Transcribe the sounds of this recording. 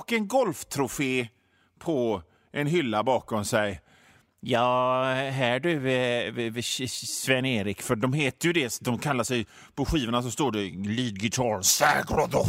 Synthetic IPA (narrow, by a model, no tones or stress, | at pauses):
ɔkːɛnɡɔlft̪ʰɾʊfeː | pʰɔ | ʔɛnɦʏlːabɑːkɔmsɛj | jɑːɦæːɖɵ | svɛnːeːɾɪkfœɖɔmheːt̪əjɵd̪ɛsd̪ɔmkʰalːaʂɛj | pʰɔɧiːvəɳas̬ɔst̪oːɖɛliːd̪ɡɪt̪ʰɑɾsæɡɾɔd̪ɔ